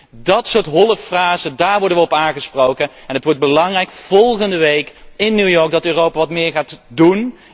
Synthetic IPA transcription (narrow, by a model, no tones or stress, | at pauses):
dɑtsʊːɹtɦɔlˠəffraːzədaːɹʋɔɹdənʋəɔpaːŋχəsprowkənɛnətʋɔɹd̚bəlɑŋrɛjkv̥ɔlˠχəndəʋejkɪnːywjɔɹk̚dɑtøːrowpaːʋɑtmɪːɹχaːtdun